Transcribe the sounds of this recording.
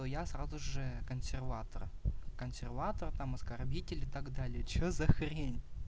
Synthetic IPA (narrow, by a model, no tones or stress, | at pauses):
ojasrazʊʐɨkənsʲɪrvat̪ərkənsʲɪrvat̪ərt̪amɐskɐrbʲitʲɪlʲɪt̪aɡd̪alʲɪjət͡ɕɵzɐxɾʲenʲ